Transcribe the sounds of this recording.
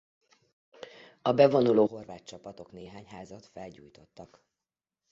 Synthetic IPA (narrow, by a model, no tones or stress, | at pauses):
ɒbɛvo̞nuloːɦo̞rvaːtt͡ʃɒpɒt̪o̞kneːɦaːɲɦaːzɒt̪fɛlɟṵːjt̪o̞t̪ːɒk